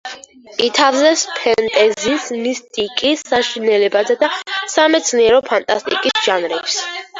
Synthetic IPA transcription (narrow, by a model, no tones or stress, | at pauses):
it̪ʰavzɛspʰɛnt̪ʼɛzisnist̪ʼikʼisːaʃinɛlɛbazɛd̪asamɛt̪sʰniɛɾɔpʰant̪ʼast̪ʼḭkʼisʒ̥anɾɛps